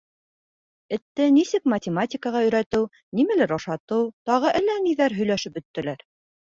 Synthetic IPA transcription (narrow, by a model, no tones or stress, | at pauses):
ɘ̆t̪ːɘnisɘkmɐtʲɪmatʲɪkəʁɑɵ̆jɾæt̪ɘw | nimælɘɾɑʃɑt̪ɤwt̪ɑʁɤʔælːæniðæɾɦɵ̆jlæʃɘp̚bɵ̆t̪ːɘ̆læɾ